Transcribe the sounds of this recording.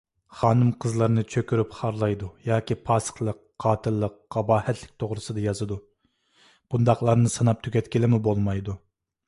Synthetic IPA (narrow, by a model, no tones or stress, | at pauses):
χɑːnɨmqʰəzlˠɑɾnɨt͡ʃʰøkʲyɾypχɑɾlˠɑjd̪ujɑːkʲipʰɑːsə̥χlˠəqːʰɑːt̪ʰɨlˠːəqːɑbɑːhɛt̪ʰlɪk̚ʲt̪ʰoʁɾɨsɨd̪ɑjɑzɨd̪u | b̥und̪ɑχlˠɑɾnɨsɨnɑp̚t̪ʰykʲɛt̪kʲɪlɪmɪbolˠmɑjd̪u